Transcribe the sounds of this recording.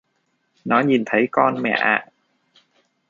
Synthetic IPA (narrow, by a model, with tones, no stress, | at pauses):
nɔː˨˦˥nji˨˩nt̪ʰa˨˦jkɔː˧nmɛ̰˨˧˩ʔa̰ː˨˧˩ʔ